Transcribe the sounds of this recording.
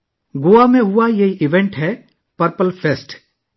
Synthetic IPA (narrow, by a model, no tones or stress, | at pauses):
ɡʊamẽɦʊajeiʔɪʋẽɳʈɦɛ | pɐɾpəlpʰesʈ